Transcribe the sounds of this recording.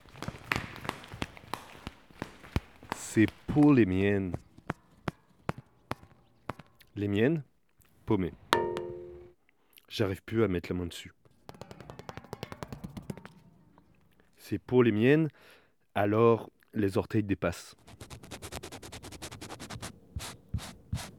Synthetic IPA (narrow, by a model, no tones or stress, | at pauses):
sepʰolemɛn | lemjɛn | pome | ʒ̥aʁivplyamɛt̪ləmɛ̃d̪əsy | sepolemjɛn | alɔʁ | lezɔʁt̪ɛjd̪epas